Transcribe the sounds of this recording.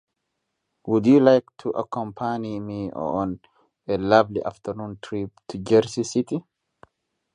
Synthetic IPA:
wʊd̪julajkt̪ʰuʔɐ̰kɔ̃mpʰanimiːɔ̰ɔn | ɛlɐvliʔa̰ft̪ʰəɾnũːnt̪ʰɾiːp̚t̪ʰud͡ʒɛɾsisɪt̪i

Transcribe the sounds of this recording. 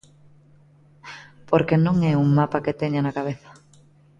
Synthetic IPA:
poɾkenõŋɛuŋmapaket̪eɲanakaβ̞eθḁ

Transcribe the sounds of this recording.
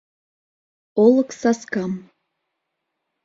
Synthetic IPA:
olˠɤ̆ksɑskɑm

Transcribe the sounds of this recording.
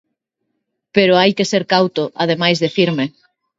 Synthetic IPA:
peɾʊajkeseɾkawt̪ʊʔað̞emajzðefiɾme

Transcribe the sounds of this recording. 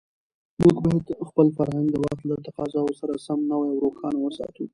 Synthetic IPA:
mukbaet̪xpəlfaɾhaŋɡd̪əwaxt̪lat̪aqɑzɑosaɾasamnawajawɾoxɑnawəsɑ̰t̪u

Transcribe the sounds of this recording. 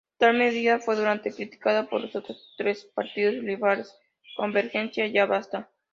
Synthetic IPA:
t̪alme̞ðiðafwe̞ðuɾant̪e̞kɾit̪i̥kaðapo̞̰ɾloso̞t̪ɾost̪ɾe̞spaɾt̪iðo̞sliβaɾes | ko̞mbe̞ɾxe̞nsjaʝaβast̪a

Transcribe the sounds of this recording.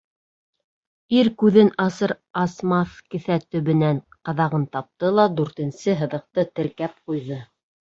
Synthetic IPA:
iɾkʉðɘnɑsɤɾ | ɑsmɑθkɘ̆θæt̪ɵ̆βɘ̆nænqɑðɑʁɤnt̪ɑp̚t̪ɤlˠɑd̪ʉɾt̪ɘ̆nsɘɦɤ̆ðɤ̆q̚t̪ɤt̪ɘ̆ɾkæp̚qujðɤ

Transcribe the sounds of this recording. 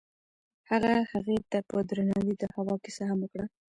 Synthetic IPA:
haɣahaɣet̪apəd̪ɾanɑwid̪əhawɑkesahaməkɽa

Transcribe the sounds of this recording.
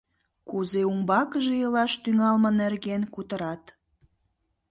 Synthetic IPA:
kuzeumbɑkəʒejəlɑʃt̪yŋɑlmə̆nerɣenkut̪əɾɑt̪

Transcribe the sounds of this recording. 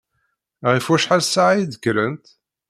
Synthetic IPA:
ʁifwæʃħalsaʕjid̪əkːɾənt̪

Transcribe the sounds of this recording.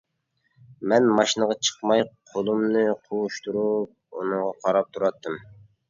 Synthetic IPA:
mɛnmɑʃinəʁɑt͡ʃʰə̥qmɑjqʰolˠumnɨqʰouʃt̪uɾup̚ṵnɨŋʁɑqʰɑɾɑp̚t̪ʰuɾɑt̪ʰːɨm

